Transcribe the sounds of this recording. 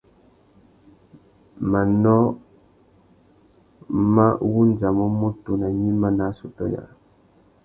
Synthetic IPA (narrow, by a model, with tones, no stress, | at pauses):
ma˨nɔ˦ | ma˦wu˦n˦d͡ʒa˨mɔ˦mo˦tu˨na˨ɲi˦ma˦na˨˦su˨tɔ̰˦ja̰˨